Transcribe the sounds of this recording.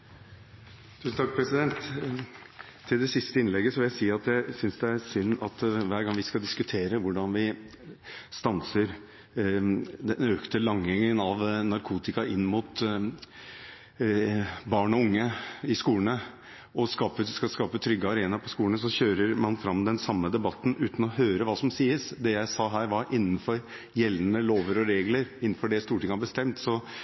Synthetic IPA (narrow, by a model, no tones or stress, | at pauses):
t̪ʰʉːsn̩t̪ɑk̚pʰɾɛsɪd̪ɛnt̪ | ɪld̪ɛsɪst̪əɪnlɛɡːəsɔʋɪljæɪsiːɑt̪dæɪsʏnsd̪ɛæɾsʏnːɑt̪ʋæːɾɡɑŋʋɪskɑld̪ɪskʉt̪ʰeːɾəʋʊɖɑnʋɪ | st̪ɑnsəɾ | d̪ɛnøːkt̪əlɑŋɪŋənɑʋnɑɾkʰuːt̪ɪkɑʔɪnːmʊt̪ | bɑːɳɔʊŋːəɪskuːənə | ʔɔskɑːpəskɑskɑːpət̪ʰɾʏɡːəɑɾeːnɑpʰɔskuːlənəs̬ɔɕøːɾəɾmɑnfɾɑmːd̪ɛnsɑmːəd̪ɛbɑt̪ːn̩ʔʉːt̪n̩ɔɦøːɾəʋɑːsɔmsiːəsd̪ɛjæɪsɑːɦæːɾʋɑɾʔɪnːn̩fɔɾ | jɛlnəloːʋəɾɔɾeːɡləɾɪnːn̩fɔɖɛst̪uːʈʰɪŋːəhɑbəst̪ɛmt̪sɔ